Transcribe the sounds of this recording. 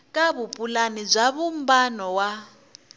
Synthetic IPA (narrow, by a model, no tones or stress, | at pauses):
kʼaβupʼulanib͡ʐʷaβum̩banɔwa